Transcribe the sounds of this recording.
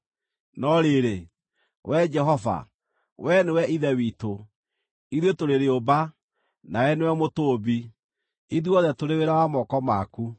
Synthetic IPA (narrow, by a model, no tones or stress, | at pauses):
nɔɾeɾe | wʔɛd͡ʒɛɦɔva̰ | wɛnewɛiðɛwiːto | iðwetoɾeɾeoba | naɛnewɛmotoːbi | iðuɔðɛtoɾeweɾawamɔkɔmaku